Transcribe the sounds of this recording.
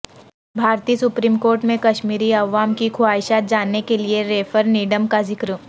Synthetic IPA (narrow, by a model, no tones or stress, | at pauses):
bʱaːɾt̪iːsʊpɾiːmkoːɾʈmẽkɐʃmiːɾiɐʋaːmkikʰʊaːɪʃad͡ʒaːnːekelieɾeːfʰəɾniːɖəmkazɪkɾə